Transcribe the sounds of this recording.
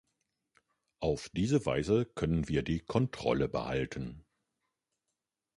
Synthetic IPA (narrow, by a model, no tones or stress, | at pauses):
ʔaʊfd̥iːzəva̰ɪzəkʰœnənviːɐdiːkʰɔntʁ̥ɔ̰ləbə̰ha̰ltʰən̩